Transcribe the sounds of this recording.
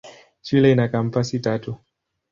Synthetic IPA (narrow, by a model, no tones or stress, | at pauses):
t͡ʃilɛinakam̩pasitatu